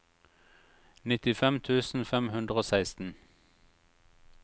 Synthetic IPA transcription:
nɪt̪ɪfɛmt̪ʰʉːsn̩fɛmhʉnd̪ʁəoːsæɪst̪n̩

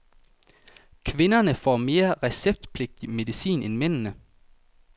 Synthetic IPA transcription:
kʰʋɪ̝nɐnəfɔ̰ːme̝ːɐʁɛseb̥̚d̥pʰle̝ɡ̥̚d̥imedˠisḭːnʔenmen̰nə

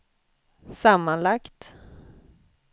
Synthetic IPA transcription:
samːanlakt̪

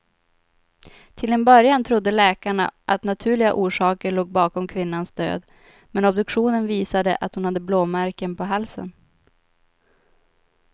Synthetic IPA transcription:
t̪ʰɪlɛnbœɾjant̪ʰɾʊd̪ːəlɛːkaɳa̰ʔat̪nat̪ʰʉ̟ːɭɪɡaʔuːʂɑːkəɭoːɡ̚bɑːkɔmkʰvɪnːansd̪ø̰ːd̪ | mɛnɔbd̪ɵkɧuːnənviːsad̪əʔa̰t̪hʊnhad̪ːəbloːmæɾkənpʰɔɦalsə̰n

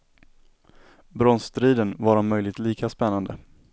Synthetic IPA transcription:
bɾɔnst̪ɾiːd̪ənvaɾɔnmœjlɪɡ̚t̪liːkaspɛnːand̪ə

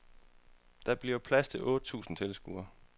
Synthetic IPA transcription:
d̥ɑ̈b̥liɐpʰlæst͡sʰe̝lʔɔ̽ːd̥ət͡sʰṵːsn̩t͡sʰeləsɡ̥uːɐ

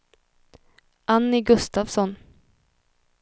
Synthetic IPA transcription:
ʔanːɪɡɵst̪avsɔn

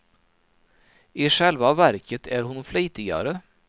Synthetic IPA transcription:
iːʃɛlʋɑːʋæɾkət̪ʰæːɾhʊnfleɪt̪ɪɑ̰ɾə

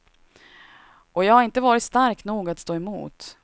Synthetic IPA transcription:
ʔɔjɑːɡhaɾɪnt̪əvɑːɾɪt̪st̪aɾknuːɡat̪st̪oːɛmṵːt̪

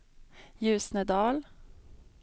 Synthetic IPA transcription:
jʉːsnəd̪ɑːl

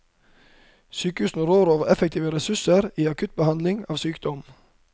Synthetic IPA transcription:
syːkəhʉːsn̩ɾoːɾoːʋəɾɛfɛkt̪ʰiːʋəɾɛsʉsəɾiːɑkʰʉt̪̚bəhɑnd̪lɪŋɑːʋsyːkd̪ɔm

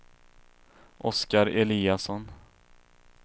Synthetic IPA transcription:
ʔɔskaɾɛliːasɔn

